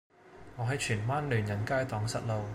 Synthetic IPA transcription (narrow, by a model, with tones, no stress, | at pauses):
ŋɔː˨˧ɦɐ˨˥jt͡ʃʰyː˨˩nwaː˥nlyː˨˩njɐ˨˩nkaː˥jt̪ɔː˨˥ŋsɐ˨t̚lo˨˧w